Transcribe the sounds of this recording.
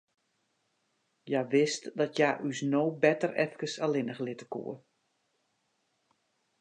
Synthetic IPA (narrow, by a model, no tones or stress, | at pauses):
jaʋɪstdɔtjaːʔysnoːbɛtərɛfkəsalɪnəxlɪtə̥kṵə